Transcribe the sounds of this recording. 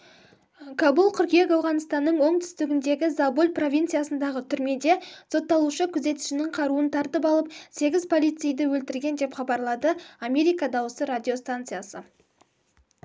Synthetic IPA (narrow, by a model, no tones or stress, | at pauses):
kʰabulˠkʲʰʏɾkʲijekɑwʁɑnəst̪ɑnːəɴwo̞ɴt̪ʰʏ̥st̪ɪɡʲɪnd̪e̞ɡʲɪzabulʲpro̞vʲijnt̪sɨjasənd̪ɑʁət̪ʰʏɾme̞d̪e̞so̞t̪ːɑlˠuʃəkʲʰʏze̞t̪ɪ̥ʃɪnɪŋqʰɑɾuənt̪ʰɑɾt̪əpɑlˠəp̚se̞ɡʲɪzpʰo̞lˠijt̪sɨjd̪ɪwɵlt̪ɪɾɡʲe̞nd̪e̞pχɑbɑɾlˠɑd̪əamʲe̞ɾijkɑd̪ɑwəsəɾad̪ʲijo̞st̪ant̪sɨjasə